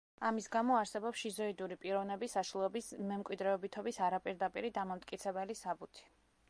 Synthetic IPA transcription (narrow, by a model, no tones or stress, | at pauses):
amisɡamɔaɾsɛbɔpʃizɔid̪uɾipʼiɾɔvnɛbisaʃulˠɔbismɛmkʼwid̪ɾɛɔbit̪ʰɔbisaɾapʼiɾd̪apʼḭɾid̪amamt̪ʼkʼit̪sʰɛbɛlisabut̪ʰi̥